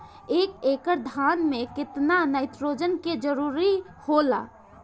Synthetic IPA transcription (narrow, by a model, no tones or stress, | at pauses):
ekekəɾd̪ʱanmekɪt̪nanəɪt̪ɾod͡ʒənked͡ʒəɾuɾi | hola̰